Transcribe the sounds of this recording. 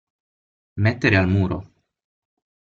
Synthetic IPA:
met̪ːeɾealmuːɾo̰

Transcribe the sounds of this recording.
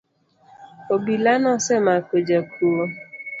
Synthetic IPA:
obilanɔsemakod͡ʒakumo

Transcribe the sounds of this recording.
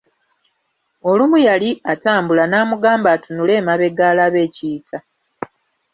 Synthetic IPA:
o̞lumujaliataːmbulanaːmuɡaːmbatunule̞ːmaβe̞ɡaːlaβe̞ːciːtʰa

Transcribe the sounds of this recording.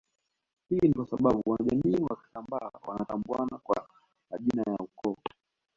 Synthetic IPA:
hinikwasaɓaɓuwanaʄamiːwaki̥tambaːwa̰natambuanakwa | maʄinajaukɔ

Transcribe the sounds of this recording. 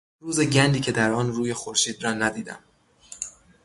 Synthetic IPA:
ɾuːzeɟænd̪iːcʰe̞d̪æɾɒːnruːjexoɾʃiːd̪rɒːnæd̪iːd̪æ̰m

